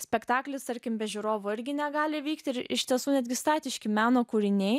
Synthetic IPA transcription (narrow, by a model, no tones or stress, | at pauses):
sʲpʲɛkt̪ɑːklʲɪst̪ɐɾʲkʲɪmbʲɛʒʲʊɾoːʋʊɪɾʲɡʲɪnʲɛɡɑːlʲɪʋʲiːkt̪ʲɪɾɪ̰ʃʲt̪ʲiɛsuːnʲɛd̪ʲɡʲɪst̪ɑːt̪ʲɪʃʲkʲɪmʲæːnoːkuːɾʲɪnʲɛɪ